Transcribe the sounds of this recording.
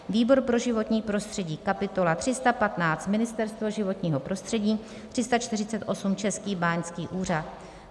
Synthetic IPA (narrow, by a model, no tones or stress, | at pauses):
viːbo̞ɾpɾo̞ʒɪvo̞t̪ɲiːpɾo̞st̪r̝̥ɛɟiːkapɪt̪o̞lat̪r̥ɪst̪apat̪naːt͡st̪mɪnɪst̪ɛɾst̪vo̞ʒɪvo̞t̪ɲiːɦo̞pɾo̞st̪r̥ɛɟiː | t̪r̥ɪst̪at͡ʃt̪ɪrɪt͡sɛt̪ʔo̞sumt͡ʃɛskiːbaːɲskiːʔuːrat̪̚